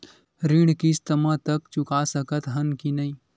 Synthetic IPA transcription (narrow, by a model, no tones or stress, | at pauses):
ɾĩɽkist̪əmãt̪əkt͡ʃʊkasəkət̪ɦənkinɐĩː